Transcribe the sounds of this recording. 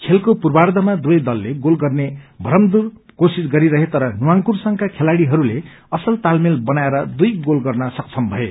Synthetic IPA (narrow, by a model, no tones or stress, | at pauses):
kʰelkopurbard̪ʱʌmad̪uʌjd̪ʌlːeɡolɡʌrnebʱʌɾʌmd̪ur | kosisɡʌɾiɾʌɦet̪ʌɾʌnuwaŋpursʌŋkakʰelaɽiɦʌɾule | ʌsʌlt̪almilbʌnaeɾʌd̪ujɡolɡʌrnʌsʌk̚t͡sʰʌmbʱʌe